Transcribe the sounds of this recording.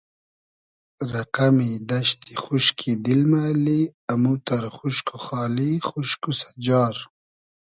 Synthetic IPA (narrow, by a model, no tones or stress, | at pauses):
ɾaqamid̪aʃt̪ixuʃkʰid̪ilmaːliamut̪aɾχuʃkuxɑːlixuʃkusḁd͡ʒɑːɾ